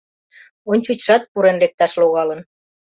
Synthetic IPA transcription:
onʲt͡ɕut͡ɕʃɑt̪̚puɾenrek̚t̪ɑʃloɣɑlə̆n

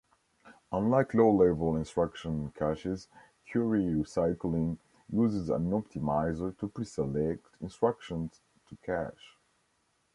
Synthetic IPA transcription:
ə̃nlaɪkʰloʊlɛvəlˠɪ̃nstɹ̥akʃə̃nkʰæʃɪz | kʰjuɹiɹisaɪkl̩ĩŋ | juzɪzə̰̃nɔp̚tʰimaɪzə˞tupʰɹisɛlɛk̚tʰɪ̃nstɹ̥akʃə̃nz̥ | tʰukʰæʃ

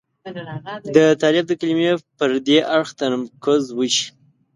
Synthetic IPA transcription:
d̪ət̪ɑlɪb̚d̪əkalimepəɾd̪eʔaɽxt̪əɾmkəzwəʃi̥

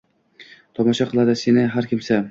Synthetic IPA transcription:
t̪ʰɒmɒʃaqʰɨlˠad̪ɪsenɪɦaɾkʲʰɪmsa

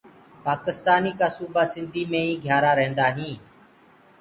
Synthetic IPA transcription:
paːkɪst̪aːniːkaːsuːbaːsɪnd̪ʱiːmẽːĩːɡʱjaːɾaːɾɛ̃ːnd̪aːɦĩː

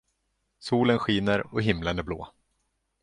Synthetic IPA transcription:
suːlənɧiːnəɾɔɦɪmlənæɾblo̰ː

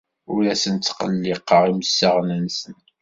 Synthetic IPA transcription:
ʊɾæsənt͡s̪ːqə̰lːɪqːəʁiməsːəʁnənsən

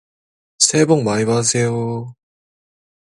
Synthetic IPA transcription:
sʰeboŋmaiwasʰejo

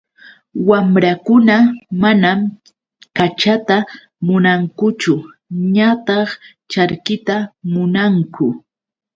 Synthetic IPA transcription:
wamɾakʊnamanam | kat͡ʃat̪a | mʊnaŋkʊt͡ʃʊ | ɲat̪ɑχ | t͡ʃaɾkɪt̪amʊnaŋkʊ

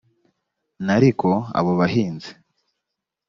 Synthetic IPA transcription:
naɾiko̞a̰βoβaɦiːnze̥

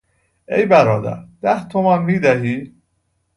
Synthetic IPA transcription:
ejbæɾɒːd̪æ̰ɾd̪̥æht̪ʰomænmiːd̪æɦiː

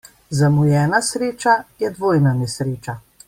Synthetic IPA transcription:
zamujɛːnasɾeːt͡ʃajɛd̪ʋoːjnanɛsɾeːt͡ʃa

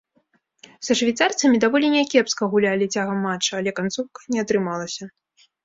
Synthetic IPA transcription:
sɐʂvʲɛjt̪sart̪sɐmʲid̪avɔlʲinʲɛkʲɛpskɐɣulʲalʲit͡sʲaɣɐmːat͡ʂːɐːlʲɛkant̪suwkɐ̥nʲɛat̪ɾɨmalˠɐsʲɐ

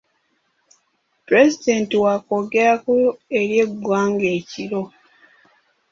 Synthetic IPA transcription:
pɾe̞zideːntiwakoɡeɾakue̞ɾje̞ɡwaːŋɡe̞ːciɾo̞

